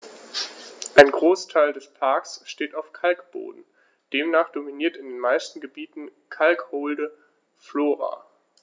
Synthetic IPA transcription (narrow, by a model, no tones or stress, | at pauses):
ʔaɪnɡʁoːstʰaɪldɛspʰaɐksʃteːtaʊfkʰalkb̥o̰ːdn̩ | d̥eːmnaːχd̥ominiːɐtɪndeːnmaɪstn̩ɡəbiːtn̩kʰalkhoːldə | floːʁa̰ː